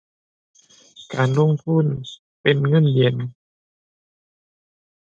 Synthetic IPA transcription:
kaː˨˧nlo˧˥˨ŋt̪ʰuː˥˩˨n | pe˨nŋɤ˧˥˨nli˨˩ən

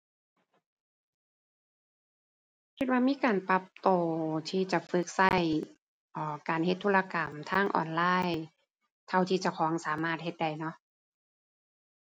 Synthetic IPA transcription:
kʰi˧t̪̚waː˧miː˧˥˨kaː˨˩npa˧˦p̚t̪oː˨˧˩t̪ʰiː˧˩t͡ɕa˧˩fɯ˧˥k̚sa˧˩j | ʔɔː˧˩kaː˨nhe˧t̪ʰːuː˧la˧ka˨˩mt̪ʰaː˧˥˩ŋʔɔ̰ː˨˩nlaː˧˥˩j | t̪ʰa˧˨wt̪ʰiː˧t͡ɕa˨˧˩kʰɔː˨˦ŋsaː˩˦maː˧˩t̪̚he˧t̪̚da˧˩jnɔ˧˥ʔ

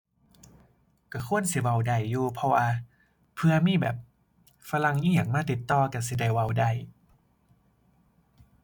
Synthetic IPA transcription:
ka˧˩kʰu˧˥˨ənsi˧˦wa˧˩wda˧˩jːuː˧pʰɔ˧waː˧ | pʰɯ˧ɐmiː˧˥˨bɛ̰ː˨˩p̚ | fa˧la˧ŋʔiː˧˥˨ɲa˨˩maː˧˥˨t̪i˨˩t̪ːɔː˧˩ka˧˩si˧˦da˧˩jwa˧˩wda˧˩j

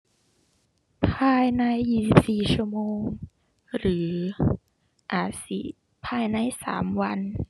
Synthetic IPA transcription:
pʰaː˧jna˧jːiː˧˩si˨˩p̚siː˨˩t͡ɕʰu˥˧moː˧ŋ | ɾɯː˩˦ | ʔaː˨˩t̪̚si˨˩ | pʰaː˧jna˧jsa̰ː˩˦mwa˧n

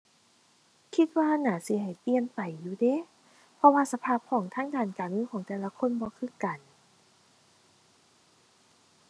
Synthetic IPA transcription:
kʰi˧t̪̚waː˧naː˨˩˦si˨˦ɦa˨˩jpi˧˨ənpa˨˩jːuː˧˩de˧˦ | pʰɔ˧waː˧sa˧pʰaː˧˩p̚kʰɔː˨˦ŋt̪ʰaː˧˥˨ŋdaː˧˩nkaː˨˩nɯː˧˥˨kʰɔː˨˦ŋt̪ɛː˨˩la˧kʰo˧˥˨nbɔː˧˦kʰɯ˧˥˨ka˨˩n

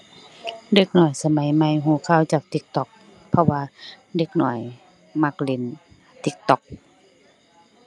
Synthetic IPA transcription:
de˧˦k̚nɔː˨˩jsa˧ma˨˦jma˧˨jɦuː˧˩kʰaː˧˩˨wt͡ɕaː˨˩k̚t̪i˧˦k̚t̪ɔ˧˦k̚ | pʰɔ˧waː˧ | de˧˦k̚nɔ˧˨˩j | ma˧k̚le˧˦n | t̪i˧˦k̚t̪ɔ˧˦k̚

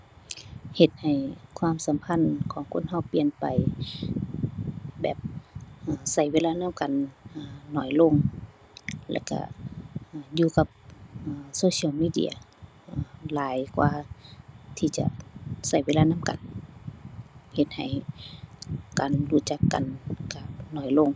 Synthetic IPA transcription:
he˧˦t̪̚ha˨˩jkʰwaː˧˨msa˨˦mpʰa˧˥˨nkʰɔː˨˦ŋkʰo˧˥˨nha˧˩˨wpi˨˩ənpa˨j | bɛ̰ː˨˩p̚ʔaː˨˩sa˧˩jweː˧˥laː˧naː˧˥˨wka˨nʔaː˧nɔː˧˩jlo˧˨ŋ | lɛ̰ː˧˩ka̰˧˩ʔːjuː˧ka˧p̚ʔːsoː˧si˧˨wmiː˧˨dḭ˧˨ɐ̰˧˩ | ʔːlaː˨˦jkwa̰ː˧ | t̪ʰiː˧˩t͡ɕa̰˧˨sa˧˩jwe˧˨laː˧˨na˧˥˨mka̰˨n | he˧˦t̪̚ha̰˨˩j | kaː˨nluː˧˩t͡ɕa˧˦kːa̰˨nka˧˩pnɔː˧˩jlo˧˨ŋ

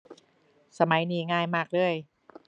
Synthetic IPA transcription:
sa˧ma˨˩˦jniː˨˩˦ŋaː˧jmaː˥˩k̚lɯ˥˩əj

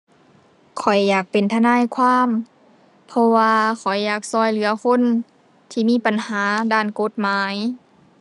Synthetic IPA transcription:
kʰɔ˨˩jːaː˨˩k̚pe˨nt̪ʰa˧naː˧˥˨jkʰwaː˧˥˨m | pʰɔ˧waː˧kʰɔ˨˩jːaː˨˩k̚sɔː˧˩jlɯ˨˦ɐkʰo˧˥˨n | t̪ʰiː˧˨miː˧˥˨pa˨nhaː˨˦daː˧˩˨nko˧˦t̪̚maː˨˦j

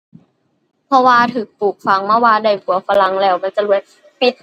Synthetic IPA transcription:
pʰɔ˧waː˧t̪ʰɯː˨˩˦k̚puː˨˩k̚fa˨˦ŋmaː˧˩waː˧da˧˩jkʰu˨˩˦ɐ˦fa˧la˨˦ŋlɛː˧˩wma˧˨nt͡ɕa˨˩lu˧˦əj | pi˨˩t̪̚

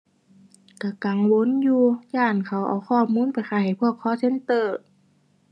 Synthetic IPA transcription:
ka˧˩ka˨˩ŋwo˧˥˨njuː˧jaː˧˩nkʰa˨˩wʔa̰˨˩wxʰɔː˧˩˨muː˧˥˨npa˨jxaː˧˩ha˨˩jpʰu˧˩əkʰːɔː˧˥˨se˧˥˨nt̪ɤː˧˩

